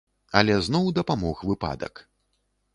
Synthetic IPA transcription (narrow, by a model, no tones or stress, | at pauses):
ɐlʲɛznɔwd̪ɐpamɔxvɨpa̰d̪ɐ̰k